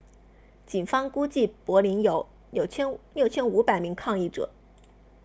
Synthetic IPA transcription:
t͡ɕi˨˩nfɑ˥ŋku˥t͡ɕi˥˩pwɔ˧˥li˧˥njo˧˥ʊ˨˩ | ʊt͡ɕʰljo˥˩ʊt͡ɕʰjɛ˥nu˧˥pa˨˩ɪmi˧˥ŋkʰɑ˥˧ŋi˥˩ʈ͡ʂɤ̰˨˩˦

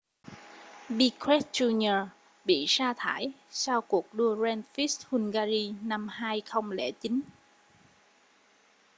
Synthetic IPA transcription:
ɓi˧kʰwɛ˦˥t̚zu˧nə˧ | ɓḭ˧˨saː˧t̪ʰa̰ː˧˩jsa˧wku˨˩ək̚ɗu˧əzɛ˧nfi˦˥st̚hu˧nɣaː˧zi˧na˧mhaː˧jxə˧wŋ͡mlḛ˧˩t͡ɕi˨˦n

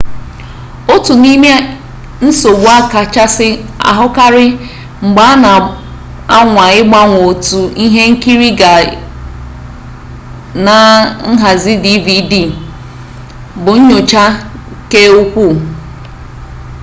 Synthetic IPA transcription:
o˦tu˨ni˦me˦ | n̩˦so˨ɡʷa˦ka˨t͡ʃa˦sɪ˦a̰˨ɦʊ˦ka˦ɾɪ˦ | ŋ͡m̩˨ɡ͡ba˦a˦na˨ | a˦ŋʷa˨ɪ˦ɡ͡ba˦ŋʷo˨tu˨i˦ɦe˦ŋ̩˦ki˦ɾi˦ɡa˨ | na˨ŋ̩˦ɦa˨zi˦di˦vi˨di˦˨ | bʊ˨ɲ̩˦ɲo˨t͡ʃa˦ | ke˦u˦kʷu˦˨

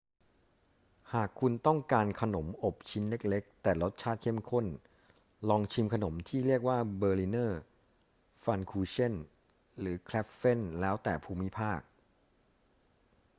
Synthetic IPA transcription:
haː˨˩kʰːu˧nt̪ɔ˥˩ŋkaː˧nkʰa˧no˩˦mʔo˨˩p̚t͡ɕʰi˦˥nle˦˥k̚le˦˥k̚t̪ɛː˨˩lo˦˥t̪̚t͡ɕʰaː˥˩t̪̚kʰe˥˩mkʰo˥˩n | lɔː˧ŋt͡ɕʰi˧mkʰa˧no˩˦mt̪ʰiː˥˩ɾi˥˩ək̚waː˥˩bɤː˧li˧˥nɤː˥˩ | fa˧nkʰuː˧t͡ɕʰe˥˩n | ɾɯː˩˦kʰlɛ˦˥p̚fe˥˩nlɛː˦˥wt̪ɛː˨˩pʰuː˧mi˦˥pʰaː˥˩k̚

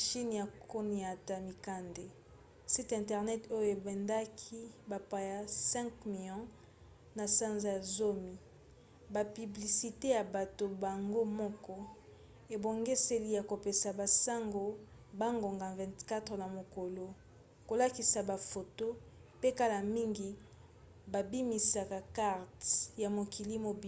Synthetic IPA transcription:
ʃi˦n˨ja˨kʰo˦ni˨a˨ta˨mi˨ka˦nde˨ | si˦tɛ̃˨ntɛ˨ʁnɛ˦to˦jo˦e˨bɛ˨nda˦kʰi˦ba˨pa˨ja˦sɛ̃˦ŋkmi˨jɔ̃˦ | na˨sa˦nza˨zo˦mi˨ | ba˨py˨bli˨si˨te˦ja˨ba˨to˨ba˨ŋɡo˦mɔ˦kɔ˦ | e˨bo˨ŋɡe˦se˦li˦ja˨ko˨pe˨sa˨ba˨sa˦ŋɡo˨ | ba˦ŋɡo˨ŋɡa˨vɛ̃˨ntka˦tna˨mo˨ko˨lo˦ | ko˨la˦ki˨sa˨ba˨fo˨to˦ | pe˦ka˦la˨mi˦ŋɡi˨ | ba˨bi˦mi˨sa˨ka˨ka˦ʁtja˨mo˨ki˨li˦mo˨b

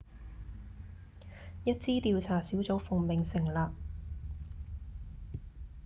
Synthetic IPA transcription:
jɐ˥t̚t͡siː˥t̪iː˧wt͡sʰaː˨˩siː˨˥wt͡so˨˥wfʊ˨˧ŋmɪ˨ŋsɪ˨˩ŋlaː˨˧p̚

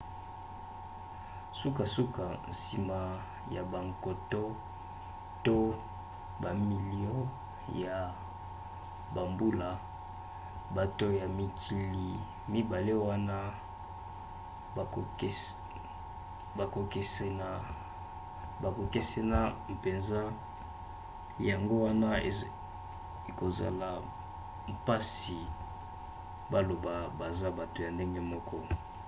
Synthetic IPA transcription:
su˦ka˨su˦ka˨n̩˨si˨ma˨ | ja˨ba˨ŋko˨to˦ | to˦ | ba˨mi˨li˦o˦ | ja˨ | ba˨mbu˦la˨ | ba˨to˦ja˨mi˨kʰi˨li˨ | mi˦ba˨le˦wa˦na˦˨˦ | ba˨ko˨ke˨se˦na˦˨ | ba˨ko˨ke˦se˦na˦e˨pe˨nza˦ | ja˨ŋɡo˦wa˦na˦˨ | e˨ko˨za̰˨la˨ | mpa˦si˨ | ba˦lo˨ba˨ba˨za˦ba˨to˨ja˨nde˦ŋɡe˦mɔ˦kʰɔ˦

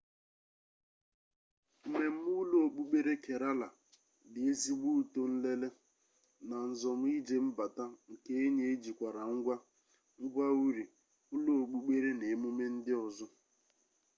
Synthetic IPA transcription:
m̩˨me˨m̩˦u˦lo˦o˨k͡pu˦k͡pe˦ɾe˦ke˨ɾa˦la˨ | dɪ˨e˦zi˦ɡ͡bu˦u˨to˦n̩˦le˦le˦ | na˨n̩˨zɔ˨m̩˦i˦d͡ʒe˦m̩˦ba˨ta˦ŋ̩˨ke˦e˦ɲe˨e˦d͡ʒi˨kʷa˨ɾa˨ŋ̩˦ɡʷa˦ | ŋ̩˦ɡʷa˦u˦ɾi˨ | ʊ˦lo˦o˨k͡pu˦ɡ͡be˦ɾe˦ne˨mu˦me˦n̩˦dɪ˦ɔ˨zɔ˦

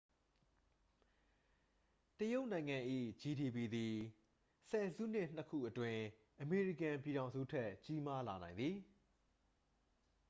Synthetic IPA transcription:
təjo˦ʊʔnã˨ɪ̃ŋã˨ʔḭ˦˨d͡ʑi˨di˨pi˨d̪i˨ | sʰɛ˨zṵ˦˨n̥ɪ˦˨n̥əkʰṵ˦˨ʔətwɪ̃˨ | ʔəme˨ɹi˦˨kã˨mp̬ji˨ɾã˨ʊ̃zṵ˦˨tʰɛ˦ʔt͡ɕi˦ma˦la˨nã˨ɪ̃nd̪i˨

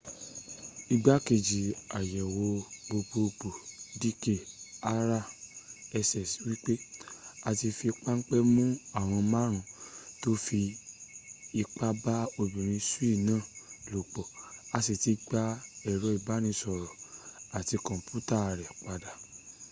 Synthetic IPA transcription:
i˧ɡ͡ba˦ke˧˨d͡ʒi˨a˨jɛ˨wo˧ɡ͡bo˧ɡ͡bo˧k͡po˨di˦ke˦˨a˦ɾa˦˨ɛ˧sɛ˨swi˦k͡pe˦a˧ti˧fi˧k͡pa˦ŋ̩˦k͡pɛ˦mũ˦a˦˨w̃ɔ̃˧mã˦ɾ̃ũ˧˨to˦fi˧ | i˧k͡pa˦ba˦o˧bĩ˨ɾ̃ĩ˧˦su˦i˦˨nãː˦˨lo˨k͡pɔ˨a˧si˨ti˨˧ɡ͡ba˦ɛ˨ɾɔ˨˦i˦˨ba˨˦nĩ˧sɔ˨ɾɔ˨a˨ti˧kɔ̃˨m˨pu˦ta˦˨ɾɛ˨k͡pa˧da˨

